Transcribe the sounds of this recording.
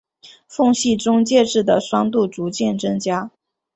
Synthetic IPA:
fʊ˥˧ŋɕi˥˩ʈ͡ʂʊ˥ŋt͡ɕjɛ˥˧ʈ͡ʂɻ̩˥˩d̪ə˩ʂwɑ˥ŋt̪u˥˩t͡su˧˥t͡ɕjɛ˥˩nʈ͡ʂɤ˥ŋt͡ɕja˥

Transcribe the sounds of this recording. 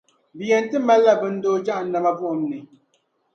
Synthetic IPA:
bi˨jɛ˨n̩˦tɨ˦ma˦la˦bɨ˨n̩˦doː˦d͡ʒa˦ʔn̩˦na˨ma˦bu˦ʔo˨mnɨ˨

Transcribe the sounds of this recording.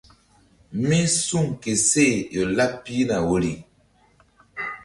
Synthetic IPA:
mi˦su˦˨ŋke˨se˦˨jɔ˨la˦pːi˦na˨wo˦˨li˨

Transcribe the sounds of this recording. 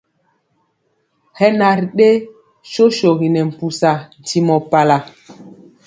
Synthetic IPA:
hɛ˦na˨ɾɗe˦ | ʃo˦ʃo˨ɣi˨nɛ˨m̩˨pu˨sa˨n̩˨ti˦mɔ˨pa˨la˨

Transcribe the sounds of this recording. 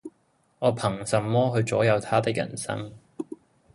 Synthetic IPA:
ŋɔː˨˧pʰɐ˨˩ŋsɐ˨˧mːɔː˥ɦɵ˧ɥt͡sɔː˨˥jɐ˨˧wt̪ʰaː˥t̪ɪ˥k̚jɐ̰˨˩nsɐ̰˥ŋ

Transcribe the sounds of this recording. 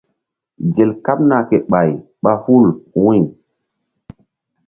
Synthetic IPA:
ɡe˨lka˦p̚na˨ke˨ɓa˨j | ɓa˦hu˦˨lwĩ˦˨

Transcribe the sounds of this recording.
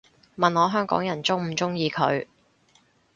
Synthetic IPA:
mɐ˨nɔː˨˧ɦœː˥ŋkɔ̰ː˨˥ŋjɐ˨˩nt͡sʊ˥ŋm̩˨˩t͡sʊ˥ŋjiː˨˧kʰɵ˨˧ɥ

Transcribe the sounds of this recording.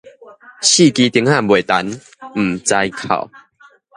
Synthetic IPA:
ɕi˥˧˨ki˧t̪i˧˦ŋhã˥˧˨bwe˨˩t̪a˨˦n | m̩˨˩t͡sa˧jkʰa̰˨˩˨w

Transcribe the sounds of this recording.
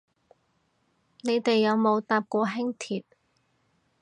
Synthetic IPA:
ne˨˧jt̪e˨jːɐ˨˧wmo˨˧wt̪aː˧p̚kʷɔː˧ɦɪ˥ŋt̪ʰiː˨t̚

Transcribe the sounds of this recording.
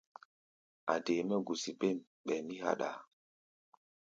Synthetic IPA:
a̰˨de˨mɛ˦ɡu˨si˨be˦˨m | ɓɛ˨mi˦ha̰˨ɗa˨

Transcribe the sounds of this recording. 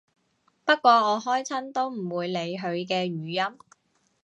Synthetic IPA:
pɐ˥t̚kʷɔː˧ɔː˨˧ɦɔː˥jt͡sʰɐ˥nt̪o˥wm̩˨˩wuː˨˧jle˨˧jɦɵ˨˧ɥk̬ɛː˧ɥyː˨˧jɐ˥m

